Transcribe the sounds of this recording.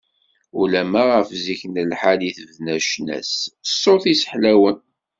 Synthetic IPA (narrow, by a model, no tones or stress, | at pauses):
ulæmæʁəfziçnəlħaliθəvnæʃnæ̰ssːoθisə̥ħlæwən